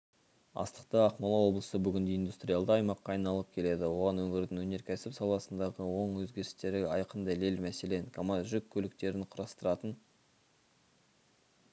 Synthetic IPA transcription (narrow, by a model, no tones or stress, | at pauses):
ɑ̰st̪ə̥qt̪əɑqmɑlˠɑwo̞blˠəsəbʏɡʲɪnd̪e̞ind̪ust̪ɾʲijalˠd̪əɑjmɑqːɑːɑjnɑlˠəp̚kʲʰe̞le̞d̪ɪwo̞ʁɑnwɵŋɪɾd̪ɪŋwɵne̞ɾkʲʰæsɪpsɑlˠɑsənd̪ɑʁəwo̞ɴwɵzɡʲe̞ɾɪst̪e̞ɾɪɑjqənd̪ɑle̞lmæse̞le̞nkʰomɑt̪ʒʏkʲʰːɵlɪk̚t̪e̞ɾɪnqʰʊɾɑst̪əɾɑt̪ən